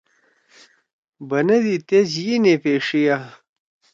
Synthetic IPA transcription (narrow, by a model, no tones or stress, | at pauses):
bɐnɐd̪it̪ezjinepeːʂija